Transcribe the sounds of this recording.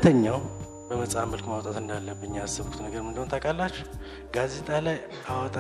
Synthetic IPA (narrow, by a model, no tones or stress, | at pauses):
t̪ʰəɲːaw | bəməsʼamːəlkmawt̪ʼat̪ɨnd̪alːəbɨɲːasːɨβku̥t̪nəɡəɾmɨnd̪ənt̪ʰakʰʼalːat͡ʃːɛ̥ | ɡaze̞t̪ʼalaj | awɔt̪ʼa